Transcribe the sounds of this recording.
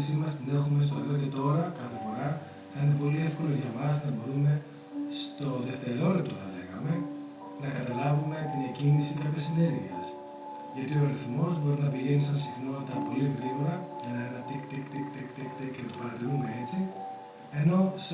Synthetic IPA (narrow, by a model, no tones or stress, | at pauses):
simɐst̪inest̪omest̪olet̪ɾoce̞t̪o̞ɾɐkɐθefo̞ɾɐ | θɐine̞p̬o̞lie̞fko̞loʝɐmɐznɐbo̞ɾume̞ | st̪o̞ðe̞ft̪e̞ɾo̞lept̪ɾoθɐle̞ɣɐme̞ | nɐkɐt̪ɐlɐvume̞t̪inecinisikɐpçɐsine̞ɾʝiɐs | ʝɐt̪ioɐɾiθmo̞zbo̞ɾinɐpiʝe̞nisɐnsixno̞nɐt̪ɐpo̞liɣɾiɣo̞ɾɐʝɐnɐenɐt̪ikt̪ekt̪ekt̪ekt̪ekt̪ecenɐt̪opɐɾɐt̪iɾumee̞t͡si | e̞no̞s